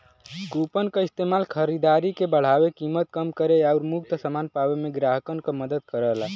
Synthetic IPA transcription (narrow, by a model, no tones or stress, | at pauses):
kupənkaɪst̪emalkʰəɾid̪aɾikebəɽ̤awekimət̪̚kəmkəɾeaʊɾmukt̪əsəmanpawemẽɡɾaɦəkənkeməd̪əd̪̚kəɾəɦla